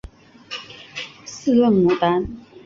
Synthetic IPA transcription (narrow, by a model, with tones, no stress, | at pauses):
s̩˥˨lə˥˩ŋmu˨˩t̪a˦n